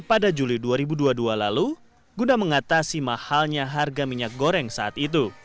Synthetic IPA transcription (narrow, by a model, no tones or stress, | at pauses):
padad͡ʒuliduaɾibuduadualalu | ɡunaməŋat̪asimahalɲaɦarɡamiɲak̚ɡoɾɛŋsaːt̪it̪̬u